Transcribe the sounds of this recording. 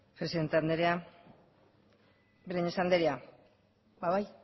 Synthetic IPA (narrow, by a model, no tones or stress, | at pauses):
pɾesiðe̞nt̪eand̪eɾea | beɾiɲesand̪eɾea | baβaj